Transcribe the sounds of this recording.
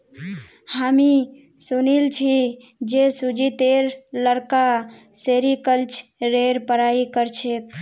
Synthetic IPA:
hami | sunilt͡ʃʰi | d͡ʒesud͡ʒit̪eɾləɾkaseɾikəlt͡ʃɾeɾpəɾaikəɾt͡ʃʰet̪

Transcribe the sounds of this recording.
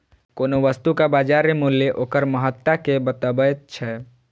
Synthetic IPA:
koːnoʋəst̪ukabad͡ʒaɾemulːjeʔokəɾməɦət̪ːakebət̪əbət̪̚t͡ʃʰɛ

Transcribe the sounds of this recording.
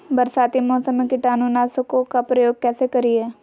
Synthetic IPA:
bəɾsaːt̪imɔːsəmekɪʈaːnunaːsʊkokapɾɐjoːɡ̚kɛːsekɐɾiɦɛː

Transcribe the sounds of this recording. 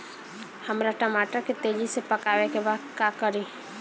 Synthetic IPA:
həmɾaʈəmaːʈəɾket̪eːd͡ʒisepəkaːwekebaːd̪kakəɾi

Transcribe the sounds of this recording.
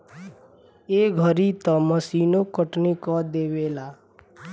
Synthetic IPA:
eːɡʱəɾit̪ɔməsiːnokəʈnikɔd̪eːweːlaː

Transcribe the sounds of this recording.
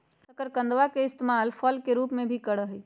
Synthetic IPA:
səkəɾkə̃nd̪ʋakeɪst̪emalpʰəlkeɾupmẽbʱikəɽəɦɛi

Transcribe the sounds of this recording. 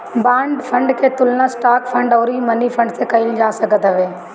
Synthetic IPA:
bãːɳɖfʰɐ̃ɳɖkʰeːt̪ʊlnasʈaːkfʰɐ̃ɳɖoːɾimɐnifʰɐ̃ɳɖsekɐɪld͡ʒaːsɐɡʱət̪ɐʋeː

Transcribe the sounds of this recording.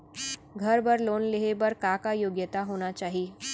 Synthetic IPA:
ɡʱəɾbəɾloːnleɦebəɾkakajoːɡjət̪aɦoːnat͡ʃaːɦi

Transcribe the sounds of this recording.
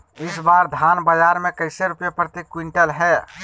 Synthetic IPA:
ɪsbaːɾd̪ʱaːnbəd͡ʒaːɾmẽkəɪseɾʊpjepɾət̪ikwɪɳʈəlɦɛ

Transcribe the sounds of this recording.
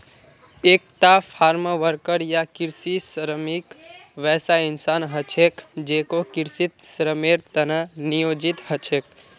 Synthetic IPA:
eːkt̪apʰaːɾmʋəɾkəɾjakɪɾsisəɾəmikʋɛːsaɪnsaːnɦət͡ʃʰekd͡ʒeːkokɪɾsit̪sɾəmeɾt̪ənənijoːd͡ʒɪt̪ɦət͡ʃʰeːk̚

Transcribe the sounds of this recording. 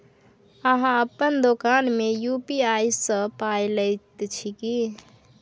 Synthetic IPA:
əɦãəpːənd̪okanmejupiajsə̃pajləjt̪t͡ʃʰiki

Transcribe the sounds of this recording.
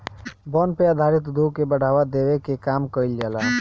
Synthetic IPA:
bɔnpeəd̪ʱaɾɪt̪d̪okebəɽ̤ʱaːwad̪ewekekaːmkəɪld͡ʒaːlaː

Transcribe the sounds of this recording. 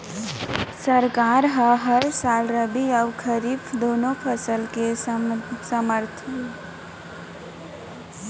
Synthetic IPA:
səɾkaɾɦəɦəɾsalɾəbiaʊkʰəɾibd̪onopʰəsəlke | səməɾt̪ʰ

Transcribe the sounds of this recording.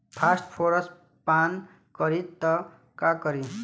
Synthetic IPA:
pʰasʈpʰoɾʌs | pan | kʌɾit̪ʌ | kakʌɾi

